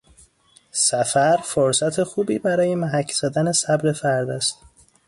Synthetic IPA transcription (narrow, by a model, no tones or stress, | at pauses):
sæfæɾfoɾsæt̪ʰe̞xuːbiːbæɾɒːje̞mæɦæcʰːz̥æd̪æne̞sæbɾe̞fæɾd̪æst̪